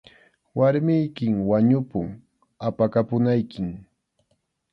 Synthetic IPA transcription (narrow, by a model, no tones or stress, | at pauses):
waɾmɪjkɪŋwaɲʊpʊŋ | apakapʊnajkɪm